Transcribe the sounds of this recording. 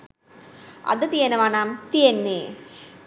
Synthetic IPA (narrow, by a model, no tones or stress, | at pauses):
ɐ̰d̪ɐt̪ijenɐʋaːnaːmt̪ienːe